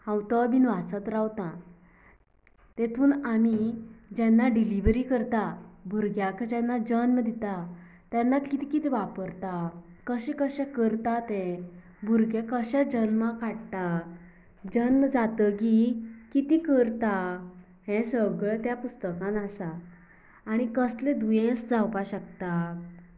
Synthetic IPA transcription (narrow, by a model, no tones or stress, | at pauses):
hãwt̪ɔbinʋat͡sət̪ɾawt̪ã | t̪ɛt̪ʰuːnamid͡ʑɛnːaɖiliʋɾikəɾt̪abʱuɾɡjakad͡ʑɛnːad͡ʑənmd̪it̪a | t̪janːakit̪ikit̪ʰiʋapəɾt̪a | kəɕɛ̃kəɕɛ̃kəɾt̪at̪ɛ̃ | bʱuɾɡẽkəɕad͡ʑənmãkaɽt̪a | d͡ʑənmd͡zat̪əkikit̪ikəɾt̪a | ɦɛ̃səɡɭt̪japust̪əkãnasaː | ɽ̃ikəsled̪ujẽsd͡zawpaɕək̚t̪a